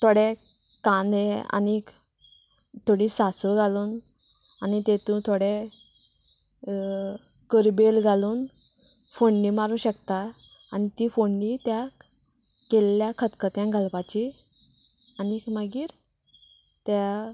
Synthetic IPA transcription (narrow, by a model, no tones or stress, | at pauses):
t̪ʰoɽekanea̰nik | t̪ʰoɽiːsasuɡʱaluːn | anit̪et̪ũt̪ʰoɽe | kəɾbelɡʱaluːn | foɳːimaɾũːɕəkt̪a | anit̪iːfoɳːit̪ja | kelːjakʰət̪kət̪jãɡʱalpat͡ɕi | anikməɡiːɾ | t̪ja